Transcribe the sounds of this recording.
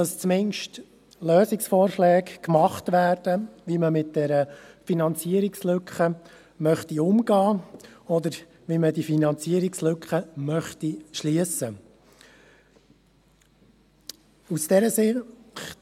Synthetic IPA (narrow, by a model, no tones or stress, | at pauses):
d̥ɑst͡smɪnʃt | løːsɪksfɔːɾʃlɛːkkmɑχtʋæːrd̥əʋiməmɪt̚d̥ɛɾəfinɑnt͡siəɾikslʏkχə | mœχtiʊmɡ̥ɑːɔd̪əɾ | ʋimədifinɑnt͡siəɾikslʏkχəmœχtiʃliəsə | usd̥ɛɾəsɪχ